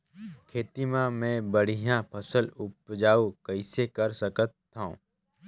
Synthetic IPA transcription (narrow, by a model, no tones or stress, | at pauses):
kʰeːt̪imãmẽbəɽ̤ijãpʰəsəlʊpd͡ʒaːukəɪsekɐɾsəkət̪ːãõ̰ː